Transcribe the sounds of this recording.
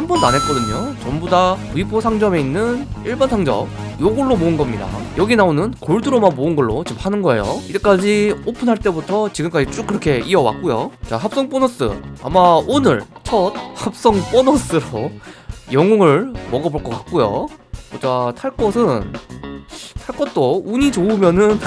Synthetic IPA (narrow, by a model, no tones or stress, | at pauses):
hanbʌnːanɦe̞t̚k͈ʌdɯɲot͡ɕʌmbudaɥibʰosʰaŋd͡ʑʌme̞inːɯniɭbansʰaŋd͡ʑʌ̰mjoɡoɭːomoɯnɡʌmɲida̰jʌɡinaonɯnkoɭduɾomanmoɯnɡʌɭːot͡ɕimhʰanɯnɡʌe̞̰jo̰id͡ʑek͈ad͡ʑiopʰɯnɦaɭt͈e̞butʰʌt͡ɕiɡɯmk͈ad͡ʑit͡ɕ͈uk͈ːɯɾʌkʰe̞ʔiʌwa̰k̚k͈ojot͡ɕaɦap̚s͈ʌŋp͈onʌs͈ɯ̰a̰maonɯ̰ɭt͡ɕʰʌd̚hap̚s͈ʌŋp͈onʌs͈ɯɾo | jʌŋoŋɯɭmʌɡʌboɭk͈ʌk͈ak̚k͈ojo̰ot͡ɕatʰaɭk͈ʰʌsʰɯn | tʰaɭkʰʌt̚t͈ouɲit͡ɕoɯmjʌnɯn